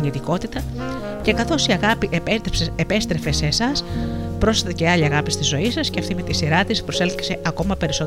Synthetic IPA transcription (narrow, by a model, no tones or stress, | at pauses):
ɲit̪iko̞t̪it̪ɐ | ce̞kɐθo̞siɐɣɐpiʔeepseepe̞st̪ɾe̞fe̞sesɐspɾo̞sɐt̪eceɐʎiɐɣɐpist̪izo̞isɐsceɐft̪ime̞t̪isiɾɐt̪ispɾose̞lθi̥kse̞ʔɐko̞mɐpe̞ɾiso̞